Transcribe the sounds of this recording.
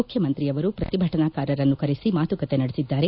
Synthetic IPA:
ukʰjɐmɐnt̪ɾijɐʋɐɾupɾɐt̪ibʱɐʈɐnaːkaːɾɐɾɐnːukɐɾisimaːt̪ukɐt̪e̞nɐɽesid̪ːaːɾe̞

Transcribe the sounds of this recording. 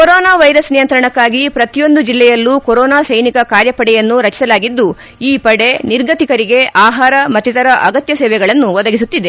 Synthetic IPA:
koɾoːnaːʋɐjɾɐsnijɐnt̪ɾɐɳɐkːaːɡipɾɐt̪ijo̞nd̪ud͡ʒilːɛjɐlːukoɾɔːnaːsɐjnikɐkaːɾjɐpɐɽɛjɐnːuɾɐt͡ʃi̥sɐlaːɡid̪ːu | iːpɐɽe̞niɾɡɐt̪ikɐɾiɡe̞ʔaːɦaːɾɐmɐt̪ːit̪ɐɾɐʔɐɡɐt̪jɐsɛːʋɛɡɐɭɐnːuʋɔd̪ɐɡis̬ut̪ːid̪e

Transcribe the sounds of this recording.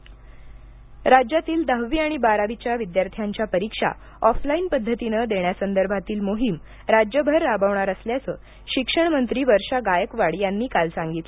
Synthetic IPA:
ɾad͡ʑjat̪iːld̪aɦʋiːaɽ̃ibaɾaʋit͡ɕjaʋid̪jaɾt̪ʰjaɲt͡ɕjapəɾikʂa̰ | ɔflainpəd̪ʱːət̪inəd̪eɳjasənd̪əɾbʱat̪iːlmoɦim | ɾad͡ʑjəbʱəɾːabəʋɳaɾəsljat͡səː | ɕikʂəɳ̃mənt̪ɾiːʋəɾʂaɡajəkʋaɽjanːiːkalsaŋɡit̪lə

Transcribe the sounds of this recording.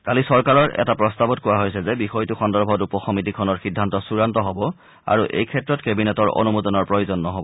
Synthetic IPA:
kalisɔɹkaɹɔɹʔɛ̰tapɹɔstabɔt̚kowaɦojsɛzɛbixɔjtuxɔndɔɹbʱɔtupɔxɔmitikʰɔnɔɹxidʱːantɔsuɹantɔɦɔbɔ | a̰ɹuʔḛjkʰɛtɹɔtkebinɛtɔɹɔ̰numudɔnɔɹpɹɔjozɔnːɔɦɔbɔ

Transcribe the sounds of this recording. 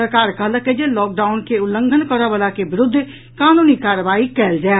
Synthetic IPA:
əkaːɾkələked͡ʒelɔːk̚ɖaːʊnkeʊlːəŋɡʱənkɔɾaʋəlakebɪɾʊd̪ʱː | kaːnuːnikaːɾʋaːikɛːld͡ʒaː

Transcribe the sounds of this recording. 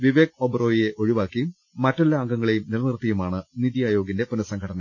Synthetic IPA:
ʋiʋeːk̚obɐro̞ːjije̞ʔo̞ɻiʋaːkːijmː | ɐtːɐlːɐːŋɡɐŋːɐɭejumnilɐnirt̪ːɐjumaːɳɨniðijaːjo̞ːɡinde̞punɐsɐŋkʰɐʈɐnɐ

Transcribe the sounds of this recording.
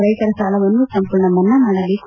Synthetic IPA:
ɾɐjk̪ɐɾɐsaːlɐʋɐnːusɐmpuɭnɐmːɐnːɐnɐɽɐlik

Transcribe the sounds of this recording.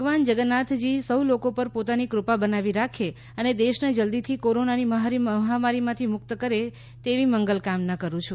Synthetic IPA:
bʱəɡʋand͡ʒəɡənat̪ʰd͡ʒisəwlokopəɾpot̪anikɾʊpabənaʋiɾakʰe | əned̪eʃned͡ʒəld̪it̪ʰikoɾonaniməɦaɾiməɦamaɾimãt̪ʰimʊk̚t̪əkəɾe | t̪eʋiməŋɡəlkamnakəɾũt͡ʃʰu

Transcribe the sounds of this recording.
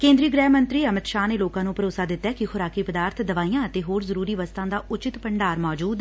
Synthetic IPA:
kẽːnd̪ɾiːɡɾɛːmənt̪ɾiːəmɪt̪ʃaːneːloːkãːnũːpəɾoːsaːd̪ɪt̪ːɛːkɪxʰʊɾaːkiːpəd̪aːɾt̪ʰd̪əʋaːiːjãːət̪eːɦoːɾzəɾuːɾiːʋəst̪ãːd̪aːʊt͡ʃɪt̪pəɳɖaːɾmɔːd͡ʒuːd̪

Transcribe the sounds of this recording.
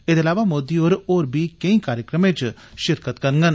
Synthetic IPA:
ed̪eɐlaːʋamoːd̪ioːɾoːɾbʱiːkẽĩkaːɾjəkɾəmẽːt͡ʃ | ʃɪɾkət̪kɐɾŋɡən

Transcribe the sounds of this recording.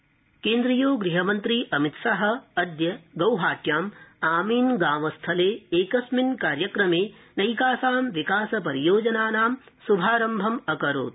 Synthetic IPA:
keːnd̪ɾijoːɡɾiɦɐmɐnt̪ɾiʔɐmit̪sɐɦɐ̆ɐd̪jɐɡɐwɦaːʈjaːmaːmiːnɡaːmɐst̪ʰɐleːeːkɐsminkaːɾjɐkɾɐmeː | nɐjkaːsaːmʋikaːsɐpɐɾijoːd͡ʒɐnaːnaːmsubʱaːɾɐmbʱɐmɐkɐɾo̰ːt̪̚

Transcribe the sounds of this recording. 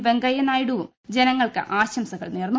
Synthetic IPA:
ʋeŋɡɐjɐnaːjiɽuʋum | d͡ʑenɐŋːɐɭkɨ̰ʔaːɕɐmsɐɣɐ̰ɭneːrnːu

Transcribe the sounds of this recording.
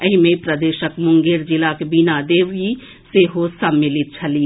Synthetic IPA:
əɦimẽpɾəd̪eːʃəkmʊŋɡeɾd͡ʒɪlakebinad̪eːʋi | seɦosəmːɪlɪt̪̚t͡ʃʰɐliː

